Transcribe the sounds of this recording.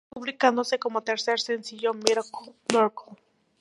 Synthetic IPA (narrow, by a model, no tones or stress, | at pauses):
uβlikand̪osekomot̪eɾseɾsensiʝomiɾkmoɾko